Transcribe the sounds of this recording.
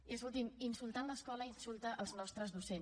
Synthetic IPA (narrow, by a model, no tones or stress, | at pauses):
ezulˠt̪iminsulˠt̪anləskɔləinsulˠt̪əʔəlˠznɔst̪ɾəzðusen